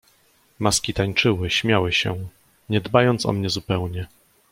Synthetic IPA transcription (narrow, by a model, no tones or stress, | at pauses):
maskʲit̪aɲt͡ʂɘwɘɕmʲjawɘɕɛ | ɲɛd̪bajɔnt̪sɔ̰mɲɛzupɛwɲɛ